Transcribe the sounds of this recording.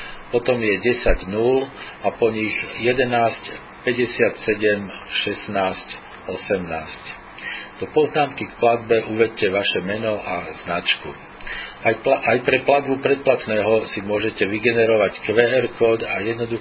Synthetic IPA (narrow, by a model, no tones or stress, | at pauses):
pɔt̪ɔmjɛɟɛsaɟnul | apɔɲiɣjɛd̪ɛnaːsc | pɛɟɛsɪat̪sɛɟɛmʃɛsnaːsc | ɔsɛmnaːsc | d̪̥ɔpɔznaːmkikplad̪̚bɛʔuʋɛc̚cɛʋaʃɛmɛnɔʔaznat͡ʃkṵ | ajpɾɛplad̪̚bupɾɛt̪̚plat̪nɛːɦɔsimʊɔʒɛcɛʋiɡɛnɛɾɔʋackʋɛɛɾkɔːd̪ajɛd̪nɔd̪u